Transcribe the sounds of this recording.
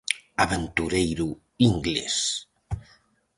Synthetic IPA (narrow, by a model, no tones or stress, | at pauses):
aβent̪uɾejɾu | iŋɡlḛs